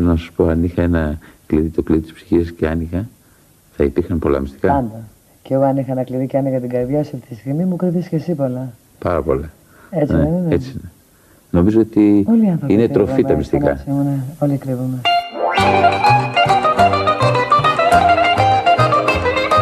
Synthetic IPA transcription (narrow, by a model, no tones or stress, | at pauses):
elonɐsu̥spo̞ɐnixɐenɐkliðit̪okliðit̪i̥spsi̥çisɐsceɐnixɐ | θɐipiɾxɐmpo̞lɐ̰mist̪ikɐɐnd̪ɐ | ceoɐnixɐnɐkliðiceɐnixɐt̪iɡɐɾðʝɐsɐfit̪ist̪imimukɾiðiscesipolɐ | pɐɾɐpo̞̰lɐ | et͡seenet͡sine | no̞mizoot̪ioliɐnθoinet̪ɾo̞fiɐmist̪ikɐ̰simuneolikɾivume